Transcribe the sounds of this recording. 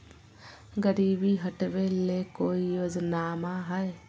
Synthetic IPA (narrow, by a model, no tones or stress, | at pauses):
ɡəɾiːbiɦəʈʋelekoːijoːd͡ʒnaːmãɦɛe